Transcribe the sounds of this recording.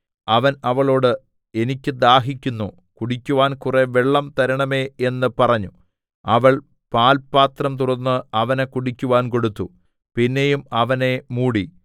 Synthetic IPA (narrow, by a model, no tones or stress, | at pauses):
ɐʋɐnɐʋɐɭo̞ːɽɨ | e̞nikʲːɨd̪aːɦikʲːunːu | kuɽikʲːuʋaːnkure̞ʋeɭːɐmt̪ɐɾɐɳɐme̞enːɨpɐrɐɲːu | ɐʋɐɭ | paːlpaːt̪rɐmt̪urɐnːɨɐʋɐnekuɽikʲːuʋaːnko̞ɽut̪ːu | pinːe̞jumɐʋɐne̞muːɽi